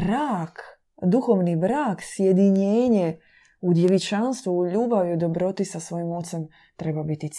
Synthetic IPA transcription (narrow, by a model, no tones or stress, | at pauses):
ɾaːk | d̪uxoʋnibɾaːksjed̪iɲeːɲe | ud̪jeʋit͡ʃanst̪ʋuuʎuːbaʋiud̪o̞bɾo̞t̪isasʋo̞jimo̞t̪sem | t̪ɾe̞babit̪it̪s